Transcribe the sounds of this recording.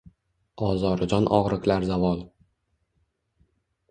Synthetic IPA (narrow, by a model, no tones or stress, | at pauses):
ɒzɒɾɪd͡ʒɒnʔɒ̰ʁɾɪkʲlaɾzavɒlˠ